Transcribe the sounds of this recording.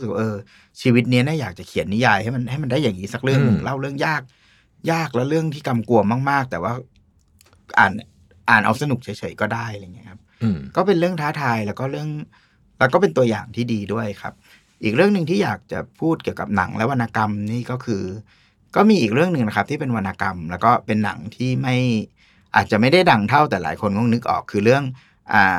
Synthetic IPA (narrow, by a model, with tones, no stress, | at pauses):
sɯ˨˩k̚wa̰ː˧ʔɤː˧ | t͡ɕʰiː˧wi˦˥t̪̚ni˦˥naː˥˩jaː˨˩k̚t͡ɕa˨˩kʰi˨˩˦nːi˦˥jaː˧jha˥˩jma˧nha˥˩jma˧ndaː˥˩jaː˨˩ŋiː˦˥sa˦˥k̚ɾɯ˥˩əŋɯ˧lʔa˦˥˩wɾɯ˥˩əŋjaː˥˩k̚ | jaː˥˩k̚lɛ˦˥wɾɯ˥˩əŋt̪ʰiː˥˩ka˧mku˧ɐmaː˥˩k̚maː˥˩k̚t̪ɛː˨˩waː˥˩ | ʔa̰ː˨˩n | ʔaː˨˩nʔa̰˧wsa˧nu˨˩k̚t͡ɕʰɤ˦jt͡ɕʰɤ˩˦jkɔː˥˩daː˥˩ja˧˩ŋːi˦˥kʰa˦˥p̚kɔː˥˩pe˧nɾɯ˥˩əŋt̪ʰaː˦˥t̪ʰaː˧jlɛː˦˥wkɔː˥˩ɾɯ˥˩əŋ | lɛː˦˥wkɔː˥˩pe˧nt̪u˧ɐja̰ː˨˩ŋt̪ʰiː˥˩diː˧du˥˩əjkʰa̰˦˥p̚ | ʔiː˨˩k̚ɾɯ˥˩əŋnɯ˧ŋt̪ʰiː˥˩jaː˨˩k̚t͡ɕa̰˨˩pʰuː˥˩t̪̚ki˨˩əwka˨˩p̚na̰˩˦ŋlɛ˦˥wa˧nʔaː˧ka˧mniː˥˩kɔː˥˩kʰɯː˧ | kɔː˥˩miː˧ʔiː˨˩k̚ɾɯ˥˩əŋnɯ˨˧ŋna˦˥kʰa˦˥p̚t̪ʰiː˥˩pe˧nwa˧nʔa˧ka˧mlɛ˦˥wkɔː˥˩pe˧nːa̰˩˦ŋt̪ʰiː˥˩ma˥˩j | ʔa̰ː˨˩t̪̚t͡ɕa˨˩ma˥˩jda˥˩jda˩˦ŋt̪ʰa˥˩wt̪ɛː˨˩la̰ː˩˦jkʰo˧nŋɔ˥˩ŋnɯ˦˥k̚ʔɔ̰ː˨˩kʰːɯː˧ɾɯ˥˩əŋ | ʔaː˨˩